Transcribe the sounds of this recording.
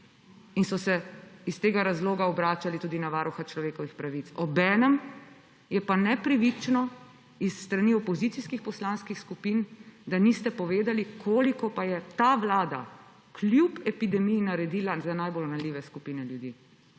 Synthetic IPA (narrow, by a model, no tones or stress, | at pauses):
insɔsɛist̪eːɡaɾazloːɡaɔbɾaːt͡ʃalit̪uːd̪inaʋaːɾuxat͡ʃlɔʋeːkɔʋixpɾaʋit̪sɔbɛːnəm | jɛpanɛpɾiʋit͡ʃnɔ | isːt̪ɾaniɔpɔzit̪siskixpɔslaːnskixskupind̪anist̪ɛpɔʋeːd̪alikʰoːlikɔpajɛt̪aːʋlaːd̪a̰ | klʲjupɛpid̪ɛmijinaɾɛd̪iːlazanajbolnalʲiːʋɛskupiːnɛljud̪iː